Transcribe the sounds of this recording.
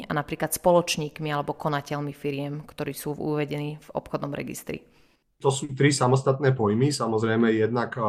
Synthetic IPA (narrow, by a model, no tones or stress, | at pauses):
a̰napɾiːklat̪spɔlɔt͡ʃɲiːkmialɛbɔkɔnacɛlmifiɾɪɛmkt̪ɔɾiːsuːṵʋɛɟɛniːv̥ɔ̰pxɔd̪nɔmɾɛ̰ɡḭst̪ɾḭ | t̪ɔsuːt̪ɾisamɔst̪at̪̚nɛːpɔjmisamɔzɾɛjmɛjɛd̪nak